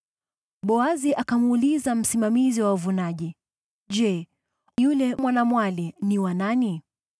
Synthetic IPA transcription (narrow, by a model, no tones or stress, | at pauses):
ɓɔaziʔakamuːlizam̩simamiziwauvunaʄi | ʄɛ | julɛmwanamwaliniwanani